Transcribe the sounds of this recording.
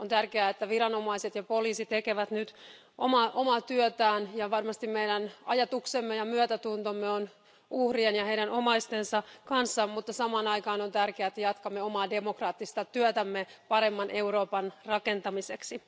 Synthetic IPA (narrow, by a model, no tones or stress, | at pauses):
ʔont̪ærkeæet̪ːæʋiɾɑno̞mɑiset̪jɑpo̞liːsit̪ekeʋæt̪nyt̪ | ʔomɑːʔomɑːt̪yøt̪æːnjɑʋɑrmɑst̪immejdænɑjɑt̪uksemːejɑmyøt̪æt̪unt̪omːeon | uhrienjɑhe̞iɾænʔo̞mɑist̪ensɑkɑnsːɑmmut̪ːɑsɑmɑːnɑikɑːnont̪ærkeæːet̪ːæjɑt̪kɑmːeo̞mɑːde̞mokrɑːt̪ːist̪ɑt̪yøt̪æmːepɑɾemːɑnʔe̞uro̞ːpɑnrɑke̞nt̪ɑmiseksi